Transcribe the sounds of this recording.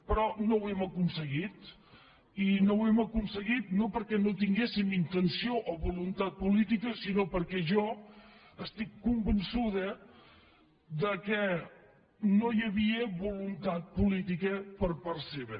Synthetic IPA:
pɾɔnowɛməkunsəɣit̪ | inowɛməkunsəɣit̪̚nopəɾkɛnot̪iŋɡesimint̪ənsioʔoβulunt̪at̪̚pulit̪ikəsinopəɾkɛʒɔ | əst̪ikːumbənsuðə | ðəkɛ | nojəβiəβulunt̪at̪̚pulit̪ikəpəɾpəɾseβ

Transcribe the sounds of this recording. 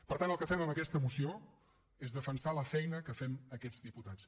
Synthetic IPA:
pəɾt̪anəlˠkəfɛməməkɛst̪əmusio | ezðəfənsaləfɛjnəkəfɛməkɛd͡zðiput̪at͡s

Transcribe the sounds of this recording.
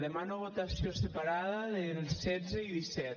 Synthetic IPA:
ðemanoβot̪asjosepaɾaðaðelsɛd͡zeiðisɛt̪

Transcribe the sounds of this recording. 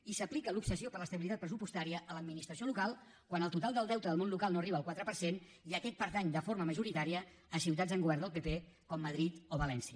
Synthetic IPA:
isəplikəlupksəsiopəɾləst̪əβilit̪at̪̚pɾəs̬upust̪aɾiəʔːləd̪minist̪ɾəsiolukalˠ | kwanəlˠt̪ut̪alˠd̪əlˠd̪ɛwt̪əðəlˠmonlukalˠnoəriβəlˠkwat̪ɾəpəɾsen | iəkɛt̪̚pəɾt̪aɲd̪əfoɾməməʒuɾit̪aɾiəː | siwt̪̬ad͡zəŋɡuβɛɾrnd̪əlˠpepe | kɔmːəðɾit̪oβəlɛnsiə

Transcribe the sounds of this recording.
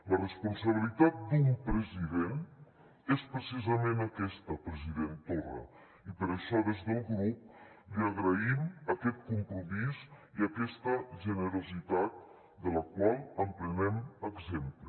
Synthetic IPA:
lərəspunsəβ̞ilit̪at̪̚d̪umpɾəziðen | espɾəsizəmenəkɛst̪əpɾəziðent̪orə̰ | ipəɾəʃɔðezðəlˠɣɾup̚ | liəɣɾəiməkɛt̪̚kumpɾumiziəkɛst̪əʒənəɾuzit̪at̪̚ | d̪ələkwalˠəmpɾənɛməɡzemplə

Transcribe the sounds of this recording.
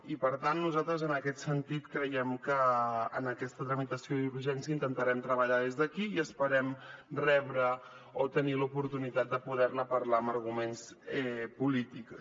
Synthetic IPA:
ipəɾt̪anːuzat̪ɾəzənəkɛt̪sənt̪it̪kɾəjɛmkəːnəkɛst̪ət̪ɾəmit̪əsiouɾʒɛnsiəint̪ənt̪əɾɛmt̪ɾəβəʎaðezðəkiːəspəɾɛmrɛβɾə | ot̪ənilupuɾt̪unit̪at̪̚d̪əpuðɛɾləpəɾlaəməɾɣumensɛpulit̪ik

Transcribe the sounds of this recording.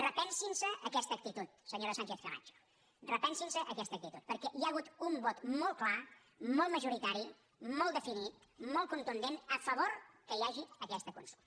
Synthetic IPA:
rəpɛnsinsəːkɛst̪əːk̚t̪it̪ut̪̚səɲoɾəsant͡ʃeθfəra̰nt͡ʃo̥ | rəpɛnsinsəʔəkɛst̪ək̚t̪it̪ut̪̚pəɾkɛʔiaəɣut̪umbɔt̪mɔlˠt̪kla | mɔlˠt̪məʒuɾit̪aɾi | mɔlˠd̪əfinit̪̚mɔlˠt̪kunt̪und̪enəfəβ̞oɾkəiaʒiəkɛst̪əkṵnsulˠ

